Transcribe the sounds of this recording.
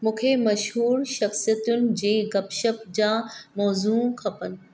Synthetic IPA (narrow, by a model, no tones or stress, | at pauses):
mũːkʰemɐʃɦuːɾʃɐxsijət̪ʊnɪ̆d͡ʑeːɡɐpʃəpd͡ʑãːmɔːzuːkʰɐpənɪ̆